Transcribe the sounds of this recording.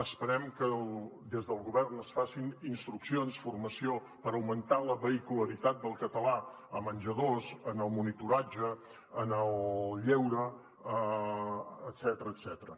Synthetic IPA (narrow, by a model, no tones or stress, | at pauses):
əspəɾɛmkəld̪ezðəlˠɣuβɛrnəsfasininst̪ɾuksionsfurməsio | pəɾəwmənt̪aləβəikuləɾit̪at̪̚d̪əlˠkət̪əla | əmənʲʒəðozənəlˠmunit̪uɾad͡ʒəː | nəlʎewɾə | əː | t̪sɛt̪əɾəːt̪sɛt̪əɾə̰